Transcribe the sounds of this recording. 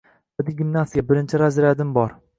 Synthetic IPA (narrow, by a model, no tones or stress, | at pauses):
vad̪ɪɡʲɪmnasijabɪɾɪnt͡ʃʰɪɾazɾad̪ɪmbɒɾ